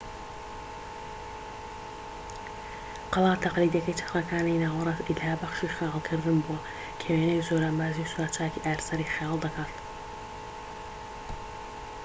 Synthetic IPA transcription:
qɑlˠɑːt̪ʰaqliːd̪iɐkɐjt͡ʃʰɐ̥χɾɐkʰaːninaːwɐɾˤɑzilhaːbaχʃiːχijɑːlˠkʰɨɾd̪ɨmbuɐ | kʲʰeweːnejzoːɾambaːzisuɾat̪t͡ʃʰːaːjkʰiʔæɾsɐɾiːχijɑːlˠd̪ɐkʰaːt̪

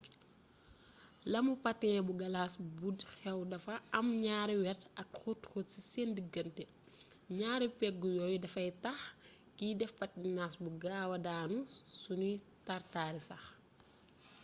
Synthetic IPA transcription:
lɐmupɐtɛːbuɡɐlaːsbudxɛwdɐfɐɐmɲaːɾiwɛtɐkxutxutsisendiɡɐntɛ | ɲaːɾipɛɡɡujɔːjudɐfɐjtɐxkiːdɛfpɐt̚dinaːsbuɡaːwɐdaːnusunu | tartaːɾisɐx

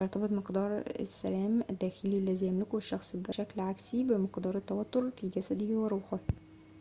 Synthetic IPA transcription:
ɑɾˤt̪ɑbɨt̪ˤmɪqd̪ɑːɾˤɪ̰sːælæːmʔæd̪ːæːxɪliælːæzijæmlɪkuʃːɑxsˤbɪʃæklʕaksibɪmɪqd̪ɑːɾˤɪt̪ːæwæt̪ːoɾfiːɡæsæd̪ɪhweɾˤuːħɪh

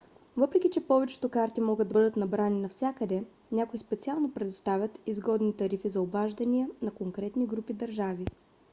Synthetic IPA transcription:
vɤpɾɛkʲit͡ʃɛpɔvɛt͡ʃɛ̥t̪okaɾt̪imɔɡəd̪ɐbɤd̪ət̪nɐbɾaninɐfsʲakəd̪ɛ | nʲakoispɛt̪sialˠnopɾɛd̪ʊt̪st̪avʲət̪izɡɔd̪nit̪ɐɾifizɐobaʒd̪ɐniənɐkoŋkɾɛt̪niɡɾupid̪ɐɾʒavi

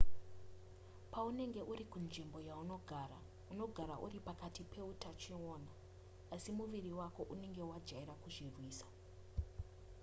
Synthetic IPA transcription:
paune̞ŋɡe̞ʔuɾikunʐimbo̞jauno̞ɡʱara | uno̞ɡʱaɾaʔṵripakatipʰe̞utat͡ʃioːnaː | simuʋiriwako̞ʔune̞ŋɡe̞uwad͡ʒaiɾakuʐirwiːsḁ

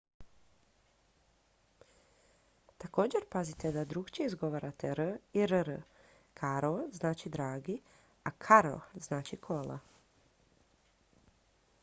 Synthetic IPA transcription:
t̪ako̞ːd͡ʑe̞ɾpazit̪ed̪ad̪ɾukt͡ʃiizɡo̞ʋaɾat̪eɾəiɾɾə | kʰaɾoznaːt͡ʃid̪ɾaːɡi | akʰaɾo̰znaːt͡ʃikʰo̞la̰

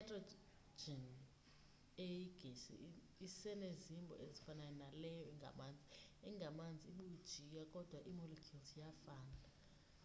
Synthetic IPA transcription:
ɛtʼrɔ | d͡ʒɛn | ejiɡ̥ʱesḭ | isɛnezimbʱɔ̰ʔezifanajɔnalɛjɔɛŋɡʱa̰mand͡zʱiɛŋɡʱamand͡zʱiiɓud̥ʒ̥ʱijakʼɔd̥ʱwaʔimɔlekʰultʰjafaːna

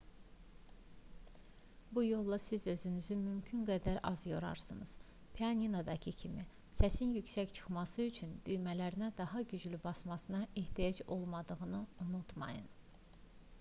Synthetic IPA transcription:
bujo̞lˠːɑsizø̞zynyzymymcʰynɡæd̪æɾɑ̰zjo̞ɾɑ̰ɾsɯnɯz̥ | pʰeɑnʲinad̪ɑcʰicʰimi | sæsinjycsæct͡ʃʰɯ̥χmɑsɯyt͡ʃʰynd̪yjmælæɾinæd̪ɑɦɑɟyd͡ʒlybɑsmɑsɯnɑʔeht̪ʰijɑd͡ʒo̞lˠmɑd̪ɯʁɯnɯunut̪ʰmɑ̰jɯ̰n

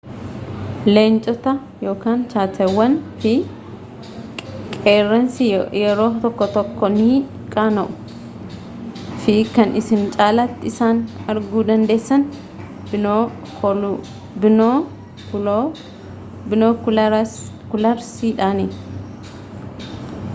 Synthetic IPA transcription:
leːnt͡ʃʼɔt̪ɐ | jo̞ːkaːnt͡ʃaːt̪ʰɐwːɐnfɪ | kʼeːrːɐnsijɛɾo̞ːt̪ɔkːɔt̪ɔkːɔni | kʼaːnɐʔʊ̥ | fɪkɐnʔɪsɪnt͡ʃʼaːlat̪ːɪɪsaːnɐɾɡuːd̪ɐnd̪e̞ːsːɐn | bɪno | bnoːk | kʊlɐɾsiːᶑaːni

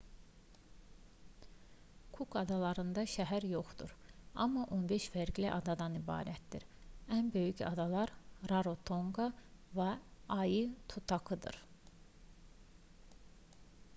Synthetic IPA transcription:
kʰukʰɑd̪ɑlˠɑɾɯnd̪ɑʃæɦæɾjo̞χd̪ṵɾɑ̰mːɑʔo̞nbeʃfæɾɡliʔɑd̪ɑd̪ɑnibɑ̰ːɾæt̪̚d̪iɾænbø̞jycɑ̰d̪ɑlˠɑɾɾɑɾo̞t̪ʰo̞ŋɡɑvæɑjɯt̪ʰut̪ʰɑkɯd̪ɯ̰ɾ

